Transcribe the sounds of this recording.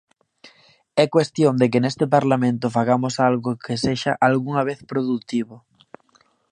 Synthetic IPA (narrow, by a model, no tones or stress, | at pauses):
ɛkwest̪jond̪ekenest̪epaɾlamẽnt̪ofaɣ̞amosalɣokʰeseʃaʔalɣuŋaβ̞eθpɾoðut̪iβo